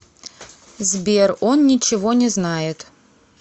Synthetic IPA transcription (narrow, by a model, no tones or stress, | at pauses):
zbʲeronnʲɪt͡ɕɪvonʲɪznajɪt̪